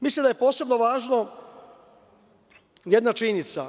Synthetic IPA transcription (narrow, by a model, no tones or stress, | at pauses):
mislˠimd̪aje̞po̞ːse̞bnoʋaːʒno | jed̪nat͡ʃinit̪sa̰